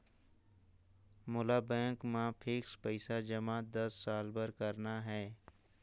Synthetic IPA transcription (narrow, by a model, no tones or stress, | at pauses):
mʊlabɛ̃ːkmãpʰɪkspəɪsad͡ʒəmaːd̪ɐsːaːlbəɾkəɾnaɦɛː